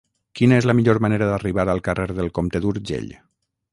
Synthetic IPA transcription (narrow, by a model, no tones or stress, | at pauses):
kinəezləmiʎoɾmaneɾəðəriβaɾəlˠkəreɾðəlˠkomt̪eðuɾʒḛʎ